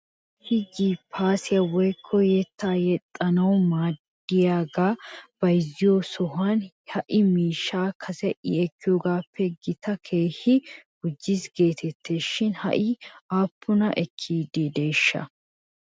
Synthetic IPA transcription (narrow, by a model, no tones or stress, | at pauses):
hɪɡipʰːaːsɪjɐwɔjkʰːɔjɛt̪ːaːjɛt̪ʼːɐnɐwmaːd̪ | ɪjaːɡaːb̥ɐjzɪjosɔɦɐn | hɐʔɪmiːʃːaːkʰɐsɛʔɪ̰ɛkːɪjoːɡaːpʰːɛɡɪt̪ɐkʰe̞ːhɪɡ̥ʊd͡ʒːɪsɡe̞ːt̪ʰɛt̪ːe̞ːʃːɪnhɐ̰ʔɪaːpːʊnɐʔɛkʰːiːd̪eːd̪e̞ːʃːɐ̰